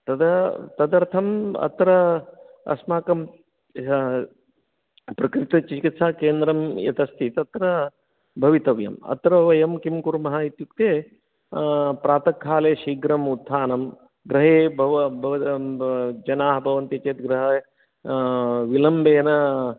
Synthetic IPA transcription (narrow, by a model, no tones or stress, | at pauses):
t̪ɐd̪ɐt̪ɐd̪ɐɾt̪ʰɐmɐ̰t̪ɾɐ | ɐ̰smaːkɐm | pɾɐkɾit̪ɐt͡ʃikit̪sʰaːkeːnd̪ɾɐmjɐ̰t̪ɐst̪ʰit̪ɐt̪ɾɐ | bʱɐʋit̪ɐʋjɐ̰mɐ̰t̪ɾɐʋɐjɐmkimkuɾmɐɦait̪juk̚t̪eː | pɾaːt̪ɐkʰːaːleːʃiːɡɾɐmud̪ʱʰːaːnɐm | ɡɾɐɦeːbʱɐʋbʱɐʋɐ | d͡ʒɐnaːɦɐbʱɐʋɐnt̪it͡ʃeːt̪ɡɾɐɦɐ | ʋilɐmbʱeːɐnɐ